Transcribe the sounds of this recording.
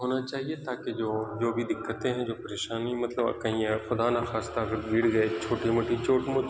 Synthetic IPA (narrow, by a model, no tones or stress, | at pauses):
ɦoːnat͡ʃaːɦiet̪aːked͡ʒoːd͡ʒoːbʱid̪ɪkːət̪ẽɦɛ̃d͡ʒoːpɐɾeːʃaːnimɐt̪ləb̰kɐɦĩːẽxʊd̪anaxaːst̪aɐɡəɾɡiːɽd͡ʒaːet͡ʃʰoːʈimʊʈʰit͡ʃʰoːʈmʊ